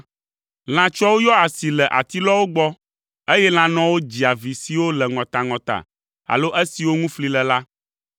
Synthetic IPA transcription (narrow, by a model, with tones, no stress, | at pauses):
l̃ã˨t͡ʃɔ˦wo˦jɔ˦a˨si˨lɛ˨ʔa̰˨t̪i˦lɔ˦wo˦ɡ͡bɔ˦ | e˦jɛ˦l̃ã˦nɔ̃˦wo˦d͡ʑi˨a˨vi˨si˨wo˦lɛ˨ŋɔ̃˨t̪a˨ŋɔ̃˨t̪a̰˨ | a̰˨lo˦ʔe˦si˨wo˦ŋũ˦fli˦lɛ˨la˦